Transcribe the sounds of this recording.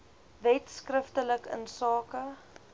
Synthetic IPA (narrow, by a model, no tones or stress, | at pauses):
vɛtskrəftələkə̰nsɑːkə